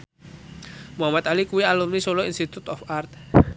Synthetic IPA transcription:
muɦamat̪alikuwialumnisoloinst̪it̪ut̪ɔfart̪̚

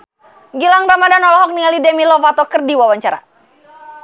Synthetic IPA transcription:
ɡilaŋbamadanɔlɔɦɔk̚nialidɛmilɔfat̪ɔkɨrdiwawaɲt͡ʃaɾa̰

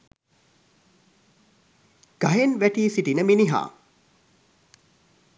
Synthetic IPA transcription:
ɡ̥ɐɦenʋæʈiːsiʈinəminiɦa̰ː

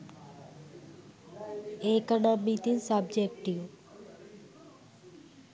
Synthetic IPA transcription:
ekɐnamit̪insɐbd͡ʒekʈiʋ

